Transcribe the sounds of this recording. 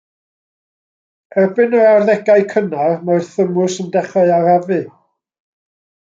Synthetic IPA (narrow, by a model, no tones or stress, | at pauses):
ɛbɪnəarðɛɡaɨkʰənarmarθəmʊsəndɛχɔɨaravɨ